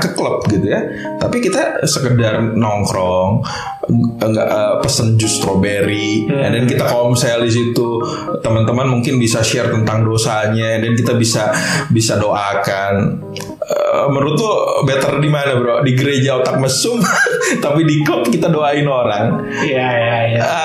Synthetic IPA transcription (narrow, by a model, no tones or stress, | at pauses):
kəkələp̚ɡit̪uja | t̪apikit̪asəkədarnɔŋkɾɔŋ | ŋɡa̰ʔəpəsənd͡ʒʊst̪ɾobeɾiandɛnkit̪akɔmsɛldis̬it̪u | t̪əmant̪əmanmuŋkɪnbisaʃɛrt̪ənt̪aŋdosaɲaandɛnkit̪abisabisadoʔakan | əməɾut̪ːubɛt̪ərdimanabəɾodiɡəɾed͡ʒaot̪ak̚məsʊmt̪apidikɔkkit̪adoaɪnoɾaŋ | ə